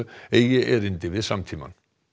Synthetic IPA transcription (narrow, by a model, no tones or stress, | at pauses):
ejɪʔɛɾɪnt̪ɪvɪðsamt̪ʰiːma̰n